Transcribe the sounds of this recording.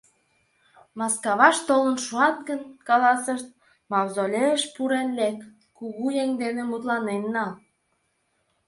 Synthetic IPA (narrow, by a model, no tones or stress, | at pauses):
mɑskɑβɑʃt̪olənʃuɑt̪̚ɡənkɑlɑsəʃt̪̚ | mɑwzolʲeəʃpuɾenlek | kuɣujeŋd̪enĕmut̪̬lɑnenːɑl